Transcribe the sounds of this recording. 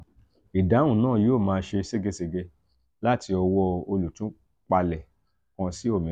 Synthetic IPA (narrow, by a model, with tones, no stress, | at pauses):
i˨da˨˦wũ˦˨nãː˦˨joː˦˨mãː˧ʃe˧se˦ɡe˧se˧ɡe˧ | la˦tʰi˧ɔ˧wɔ˧o˧lu˨tũ˨˦ | k͡pa˧lɛ˨ | kã˧si˦o˦˨mĩ˨˦